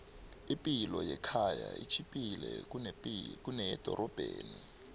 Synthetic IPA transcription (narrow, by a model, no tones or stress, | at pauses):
ipʼilɔjɛkʰaja̰it͡ʃʰipʼilɛuk̬unɛjɛd̥ʱɔɾʔɔb̥ʱeːni